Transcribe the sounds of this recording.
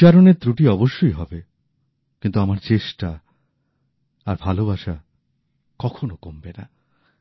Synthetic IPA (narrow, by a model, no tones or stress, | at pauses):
aɾoneɾt̪ɾuʈiɔboʃːoiɦɔbe | kint̪uamaɾt͡ɕeʃʈa | aɾbʱalobaʃa | kɔkʰonokombena̰